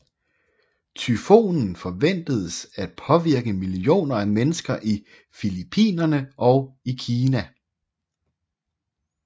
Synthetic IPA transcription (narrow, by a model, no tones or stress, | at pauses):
t͡sʰyfo̝̰ːnn̩fɒ̽ʋen̰d̥əð̞ˠəsæd̥̚pʰɒ̽ʋiɐɡ̥əmilio̝̰ːnɐæmenəsɡ̥ɐʔi | filipʰḭːnɐnəʔɒ̽ʊikʰiːnæ